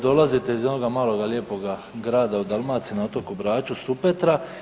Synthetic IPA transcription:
d̪o̞lazit̪eizo̞no̞ɡamaːlo̞ɡalje̞ːpo̞ɡa | ɡɾaːd̪aud̪alˠmaːt̪sinao̞t̪o̞kubɾaːt͡ʃusupe̞t̪ɾa

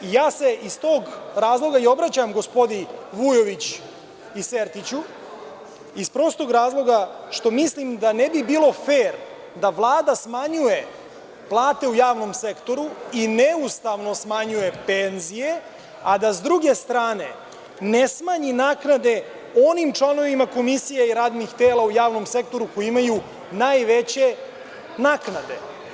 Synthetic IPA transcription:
ijaːse̞ʔist̪o̞ːɡɾaːzlˠo̞ɡaio̞bɾat͡ɕamɡo̞spo̞d̪iʋujo̞ʋit͡ɕ | iseɾt̪it͡ɕu | ispɾo̞ːst̪o̞ɡɾaːzlˠo̞ɡaʃt̪o̞mislimd̪anebibiːlˠo̞feːɾ | d̪aʋlˠaːd̪asmaɲuje̞ | plˠaːt̪e̞ujaːʋno̞mse̞kt̪o̞ɾuineust̪aʋno̞smaɲuje̞penzije̞ | ad̪azd̪ɾuɡe̞st̪ɾaːne̞ | nesmaɲinaːknad̪e̞ | o̞nimtt͡ʃlˠano̞ʋimako̞misijaiɾaːd̪nixt̪eːlaujaːʋno̞mse̞k̚t̪o̞ɾukojimaju | naːjʋet͡ɕe̞ | naːknad̪e̞̰

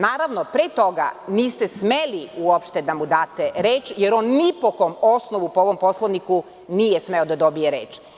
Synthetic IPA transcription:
naːɾaʋnopɾeːt̪o̞ɡa̰niːst̪esmeliuopʃt̪ed̪amud̪aːt̪eɾeːt͡ʃjeɾo̞ːnːipokoːmosnoʋupooʋo̞mpo̞slˠoʋniku | niːjesme̞od̪ad̪o̞bijeɾe̞ːt͡ʃ

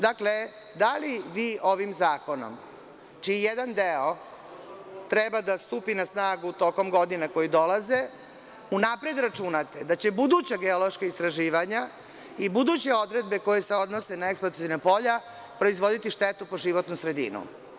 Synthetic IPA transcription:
d̪akle̞ | d̪aliʋiːo̞ʋimzaːko̞no̰m | t͡ʃiijed̪and̪eo | t̪ɾebad̪ast̪uːpinasnaːɡut̪o̞ko̞mɡo̞d̪inako̞jid̪o̞laze | unapɾed̪ɾat͡ʃunat̪ed̪at͡ɕe̞bud̪ut͡ɕaɡeolo̞ʃkaist̪ɾaʒiːʋaɲa | ibud̪ut͡ɕe̞o̞d̪ɾe̞d̪̚be̞ko̞jese̞o̞d̪nosenaeksplot̪sinapo̞ʎa | pɾo̞izʋo̞d̪it̪iʂt̪et̪upo̞ʒiʋot̪nusɾe̞d̪ḭnṵ

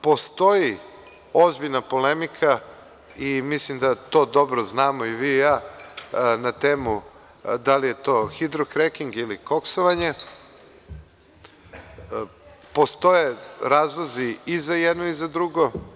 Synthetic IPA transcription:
po̞st̪o̞ji | o̞zbiʎnapo̞lemikʰa | imislimd̪at̪o̞ːd̪o̞bɾoznaːmoiʋiːjaː | nat̪eːmu | d̪alije̞t̪o̞ːxid̪ɾokɾekiŋɡiliko̞ksoʋaɲe | po̞st̪o̞jeɾaːzloziːzajed̪noizad̪ɾuɡo̞

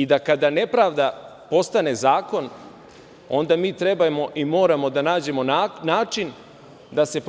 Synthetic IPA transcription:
id̪akad̪ane̞pɾaːʋd̪a | po̞st̪ane̞zaːko̞n | o̞nd̪amiːt̪ɾe̞bajemo̞ʔimo̞ːɾamo̞d̪anaːd͡ʑe̞mo̞anaːt͡ʃin | d̪ase̞p

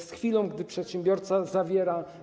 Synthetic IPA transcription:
sxfʲilɔ̃w̃ɡd̪ɘpʂɛt̪ɕɛ̃mbʲjɔɾt̪sazavʲjɛɾa

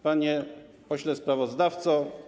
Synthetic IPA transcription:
paɲɛ | pɔɕlɛspɾavɔzd̪aft̪sɔ

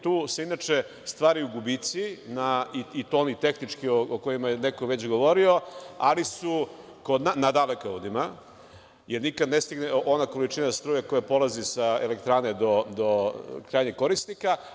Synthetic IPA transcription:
t̪uːseinat͡ʃe | st̪ʋaːɾiuɡubit̪sinaiit̪oːnit̪e̞xnit͡ʂkiookojimajenekoʋe̞t͡ɕɡo̞ʋo̞ɾio̞alisu | ko̞d̪nanad̪alekaud̪ima | jeɾnikad̪nest̪iɡneʔonako̞lit͡ʃinast̪ɾuːjako̞japolazisaelekt̪ɾaːned̪od̪okɾaːjɲeko̞ɾisnika

